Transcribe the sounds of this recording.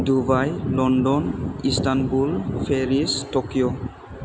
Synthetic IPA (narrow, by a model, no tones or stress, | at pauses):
dubajlɔnɖɔnistanbulfʰeɹistokijo